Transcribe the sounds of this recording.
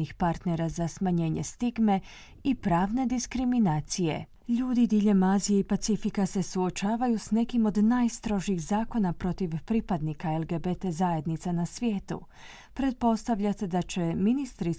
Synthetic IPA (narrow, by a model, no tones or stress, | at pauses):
ixpaɾt̪neɾazasmaɲe̞ːɲe̞̰st̪iɡme̞ | ipɾaːʋne̞d̪iskɾiminaːt̪sije̞ | ʎuːd̪id̪iʎemaːzijeipat̪sifikase̞suo̞t͡ʃaːʋajusne̞kimo̞d̪najst̪ɾo̞ʒiːɣzaːko̞napɾo̞t̪iʋpɾipad̪nikaelɡe̞bet̪ezaje̞d̪nit̪sanasʋje̞ːt̪ṵ | pɾe̞t̪̚po̞st̪aʋʎat̪ed̪at͡ɕe̞minist̪ɾi